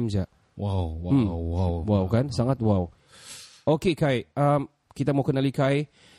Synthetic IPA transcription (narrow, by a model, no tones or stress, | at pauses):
md͡ʒaʔ | wawwawawwawkansaŋat̪̚waw | ʔokekajʔəm | kit̪amawkənalikaj